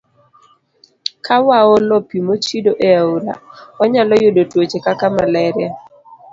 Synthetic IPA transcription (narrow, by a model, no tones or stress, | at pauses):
kʰawaɔlɔpimot͡ʃidoʔeaula̰waɲalɔjodotwot͡ʃekakamalɛɾja